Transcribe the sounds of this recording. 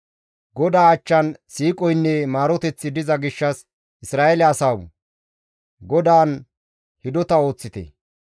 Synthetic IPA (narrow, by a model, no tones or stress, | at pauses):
ɡɔd̪aːt͡ʃːɐnsiːkʼɔjnːɛmaːɾɔt̪ɛt͡sːɪd̪ɪzɐɡɪʃːɐs | ʔɪsɾaːelɛɐsɐw | ɡɔd̪aːn | hɪd̪ɔt̪ɐo̞ːt͡sːɪt̪ɛ̰